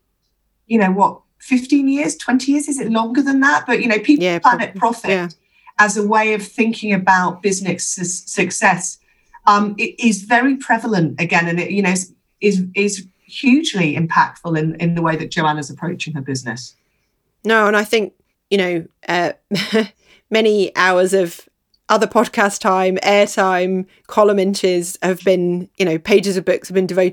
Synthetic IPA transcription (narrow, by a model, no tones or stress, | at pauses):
jɨnoʊwɒt | fɪftĩnjɪəz̥tʰw̥ɛ̃ntʰijɪəzɪzɪʔˡlɒ̃ŋɡəðə̃nðəʔ̚b̥ʌʔjɨnoʊpʰiˑpʰl̥anɪt̚pʰɹ̥ɒfɪt | əzəweɪəv̥θɪ̃ŋkʰɪ̃ŋɨbaʊʔ̚b̥ɪznɪssɨksɛs | ʌ̃mɪɪzvɛɹipʰɹ̥ɛvələ̃ntɨɡɛ̃nɨ̃nɪʔjɨnoʊs | ɪzɪz̥ | hjʉːd͡ʒliɪ̰̃mpʰa̰k̚tfəlˠɪ̃nɪ̰̃nðəweɪðɨt̚d̥ʒ̥əʊanəzəpʰɹ̥əʊt͡ʃɪ̃ŋəbɪznɪ̰s | noʊə̃ñaɪθɪ̃ŋk̚ | jɨɾ̃oʊʔʌ | mɛñiʔaʊəzəv̥ | ʔʌðəpʰɒd̚kʰastʰãɪ̃mɛːtʰãɪ̃m | kʰɒləmɪ̃nt͡ʃɪz̥əvbɪ̃njɨñoʊpʰeɪd͡ʒɪzəbʊksəvbɨ̃ndɪvəʊt